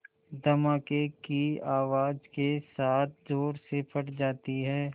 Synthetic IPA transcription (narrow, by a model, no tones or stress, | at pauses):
d̪ɐmaːkekiaːʋaːd͡ʒkesaːt̪̚ʰd͡ʒoːɾsepʰɐʈd͡ʒaːt̪iɦɛː